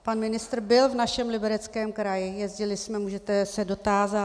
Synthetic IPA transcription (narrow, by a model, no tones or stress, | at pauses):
panmɪnɪst̪r̩bɪlvnaʃɛmlɪbɛɾɛt͡skɛːmkɾajɪjɛzɟɪlɪsmɛmuːʒɛt̪ɛsɛdo̞t̪aːza